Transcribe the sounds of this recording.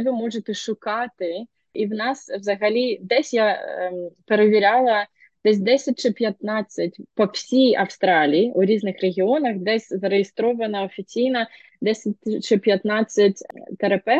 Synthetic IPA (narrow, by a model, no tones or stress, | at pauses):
ʋɪmɔʒet̪ɛʃʊkɑt̪ɪ | iwnɑswzɐɦɐlʲid̪ɛsʲja | pe̞ɾeʋʲiɾʲɑlˠɐ | d̪̥ɛs̬ʲd̪ɛsʲɐt̚ʲt͡ʃɪpʲjɐt̪nɑt͡sʲːɐtʲpɔwsʲijɐwst̪ɾɑlʲijiʔuɾʲiznɪxreɦʲiɔnɐxd̪ɛsʲzɐɾejest̪ɾɔʋɐnɐɔfʲit͡sʲijnɐ | d̪ɛsʲɐt̚ʲt͡ʃɪpʲjɐt̪nɑt͡sʲːɐtʲt̪eɾɐpɛ